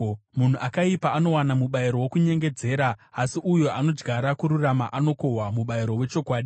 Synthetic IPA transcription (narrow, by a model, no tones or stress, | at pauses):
mun̤uʔakaipaːno̞wanamuɓaiɾo̞wokuɲe̞ŋɡe̞d͡ze̞ːɾaːsiʔujo̞ʔano̞d͡ʒɡʱaɾakuɾuramaʔano̞ko̞ɦwamuɓaiɾo̞we̞t͡ʃo̞kwaːɗi